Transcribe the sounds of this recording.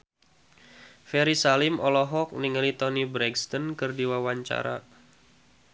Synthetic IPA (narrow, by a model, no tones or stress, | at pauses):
fɛɾisalɪmʔɔlɔɦɔk̚niŋəlit̪ɔnibɾɛɡst̪ɔnkɨrdiwawaɲt͡ʃa̰ɾa̰